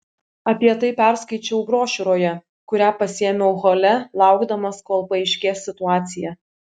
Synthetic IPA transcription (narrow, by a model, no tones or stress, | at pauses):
ɐpʲiɛt̪ɐɪpʲæˑɾskɐɪt͡ʃʲɛʊbɾoːʃʲʊɾoːjɛ | kʊɾʲæːpɐsʲeɛːmʲɛʊɣoːlʲɛlˠɑˑʊɡd̪ɐmɐskoːlˠpɐɛɪʃʲkʲeːsːʲɪt̪ʊɑːt̪sʲɪjɛ